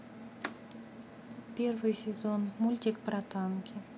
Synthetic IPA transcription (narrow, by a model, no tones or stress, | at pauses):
pʲervɨjsʲɪzonmulʲt̪ʲikpɾat̪ɑnkʲɪ